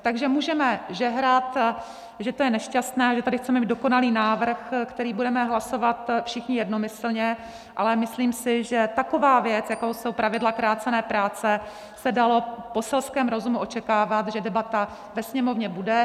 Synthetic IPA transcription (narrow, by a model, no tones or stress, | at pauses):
t̪aɡʒɛmuːʒɛmɛʒɛɦɾat̪ | ʒɛt̪ojɛnɛʃcast̪nɛːaʒɛt̪adɪxt͡sɛmɛmiːdoko̞naliːnaːvr̩xkt̪ɛɾiːbudɛmɛɦlaso̞vat̪fʃɪxɲɪjɛdno̞mɪsl̩ɲɛ | ʔalɛmɪsliːmsɪʒɛt̪ako̞vaːvjɛt͡sjakowsowpɾavɪdlakɾaːt͡sɛnɛːpɾaːt͡sɛ | sɛdalo̞po̞sɛlskɛːmɾo̞zumuʔo̞t͡ʃɛkaːvat̪ʒɛdɛbat̪a | vɛsɲɛmo̞vɲɛbudɛ